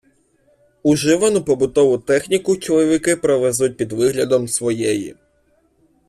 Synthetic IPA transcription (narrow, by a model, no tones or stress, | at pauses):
uʒɪʋɐnʊpɔbʊt̪ɔʋʊt̪ɛxnʲikʊt͡ʃelˠɔʋʲɪkɪpɾɔʋɛzut̚ʲpʲid̪ʋɪɦlʲɐd̪ɔmsʋɔjɛjḭ